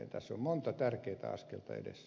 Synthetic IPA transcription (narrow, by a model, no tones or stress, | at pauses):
ent̪æsːommont̪ɑt̪ærkeit̪æ̰ɑ̰skelt̪ɑḛdḛs